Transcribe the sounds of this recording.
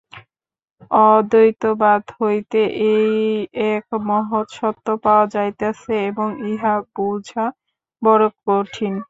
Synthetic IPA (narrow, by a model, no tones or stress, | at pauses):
ɔd̪ojt̪obad̪ɦojt̪eʔejɛkmɔɦot̪ʃɔt̪ːopaoad͡ʑajt̪easʰeeboŋiɦapowd͡ʑʱa | bɔɾok̚poʈʰin